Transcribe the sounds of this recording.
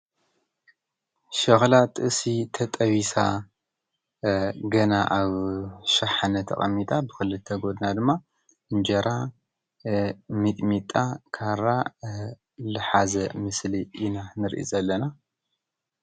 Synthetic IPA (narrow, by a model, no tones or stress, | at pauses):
ʃɐxlat̪ʼɨʔsit̪ʰɐt̪ʼɐβisa | ɡɐnaʔaβʃaħanɐt̪ʰɐ̰χʼɐmːit̪ʼabɨxɨlɨt̪ʰːɐɡo̞d̪nad̪ɨmːa | ɨnd͡ʒɐɾa | mɨt̪ʼmit̪ʼakʰaɾa | lɨħazɐmɨsliʔːnanɨɾʔḭzɐlːɐna